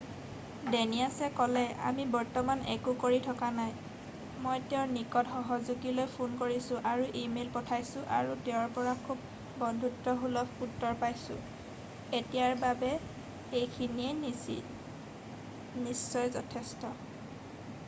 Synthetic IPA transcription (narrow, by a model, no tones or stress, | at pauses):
deniasɛkɔlɛʔa̰mibɔɹtɔmanɛkukoɹitʰɔkanaj | mojteʊɹnikɔtxɔɦɔzuɡilojpʰunkoɹisʊ̃ʔaɹuʔimelpɔtʰajsʊ̃ʔa̰ɹutɛʊɹpɔɹakʰub̚ː | ɔndʱutːɔɦulɔputːɔɹpajsʊ̰̃ | etijaɹbabɛ | ejkʰiniɛ | nisːɔjzɔtʰɛstɔ